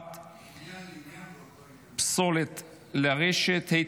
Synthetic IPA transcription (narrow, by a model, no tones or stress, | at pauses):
t̪ | psolet̪ | leʁeʃet̪hej